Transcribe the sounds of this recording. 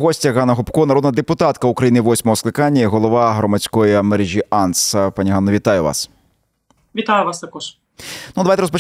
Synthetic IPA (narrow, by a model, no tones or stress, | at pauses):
ɦɔsʲtʲɐɣɑnɐɦɔpkɔnɐɾɔd̪nɐd̪epʊt̪ɑt̪kɐukɾɐjiniʋɔsʲmɔɦɔsklˠɪkɑnʲːɐiɦɔlˠɔʋɑɦɾɔmɐt͡sʲkɔjiɐmɛɾeʒʲiɑnspɑnʲiɦɑnːɔʋʲit̪ɑjʊʋɑ̰s | ʋʲit̪ajʊʋɑst̪ɐkɔʃ | nud̪ɐʋajt̪ɛɾɔspɔt͡ʃ